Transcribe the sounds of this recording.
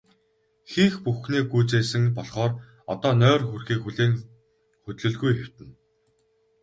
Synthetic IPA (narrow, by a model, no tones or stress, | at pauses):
xiːxpuxniːɡuːt͡seːsɘ̆ŋpɔɮχɔːr | ɔ̰t̪ɔːnœːrxurxiːkxuɮeːŋ | xɵt̪ɮɘ̆ɮɣujxew̥ʲt̪ɘ̆n